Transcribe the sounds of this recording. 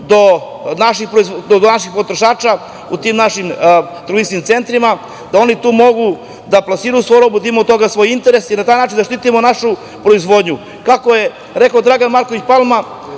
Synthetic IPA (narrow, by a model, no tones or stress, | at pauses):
d̪o̞ | naʃixpɾoizd̪od̪onaʃixpo̞t̪ɾo̞ʃaːt͡ʃa | ut̪iːmnaʃimt̪ɾisnimt̪se̞nt̪ɾima | d̪ao̞nit̪uːmo̞ɡu | d̪aplasiːɾujusoɾobud̪imot̪o̞ɡasʋojint̪eɾesinat̪aːjnaːt͡ʃind̪aʃt̪iːt̪imo̞naʃu | pɾo̞izʋo̞d̪ɲu | kakoje̞ | ɾe̞kaod̪ɾaɡanmaɾkoʋit͡ɕpalma